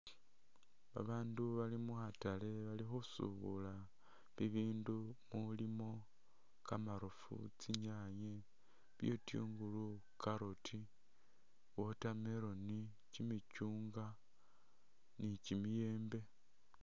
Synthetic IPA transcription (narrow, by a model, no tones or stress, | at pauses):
βa̰βaːnduβalimuxatale̞βalixusṵβṵla | βiβiːndumulimo̞ | kamaɾofṵt͡siɲaɲe | βjotjṵːŋɡulu | kaɾotʰi | wo̞tameɾo̞ni | cimit͡ʃuːŋɡa | nicimije̞ːmbe̞